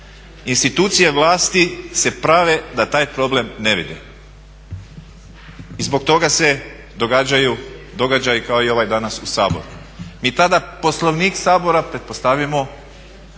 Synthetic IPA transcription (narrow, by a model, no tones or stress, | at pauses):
inst̪it̪uːt̪sije̞ʋlˠaːst̪ise̞pɾaʋe̞d̪at̪aːjpɾo̞ble̞mne̞ʋḭd̪ḛ | izbo̞k̚t̪o̞ɡase̞ | d̪o̞ɡad͡ʑajud̪o̞ɡad͡ʑajikao̞io̞ʋajd̪anasusaːbo̞̰ɾu | miːt̪ad̪apo̞slˠoʋniːksaːbo̞ɾapɾe̞t̪̚po̞st̪aʋimo̞